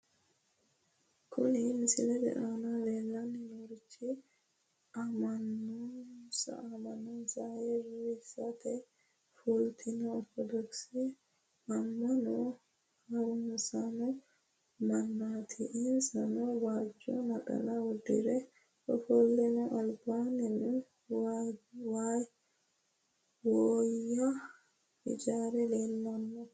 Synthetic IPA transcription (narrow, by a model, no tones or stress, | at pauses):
kʰʊnɪmɪsɪlɛd̪ɛ̰ʔaːnale̞ːlːɐnːɪnoɾɪt͡ʃːɪ | ɐmɐnːɔsɐ̰ɐmɐnɔnsajɛɾisɐt̪ɛ | fult̪ʰɪnɐɔtːɔd̪ɔksi | ɐmːɐnɔ | hɐwʊnsanɔ | mɐnːaːt̪ʰɪʔɪnsɐnɔwaːd͡ʒːo̰nɐkʼɐ̰lawɔd̪ɪɾɛ | ɔfɔlːɛnɔʔɐlbaːnɛnu | waːj | woːjːa | ɪd͡ʒaːɾɛleːlːɐnːɔ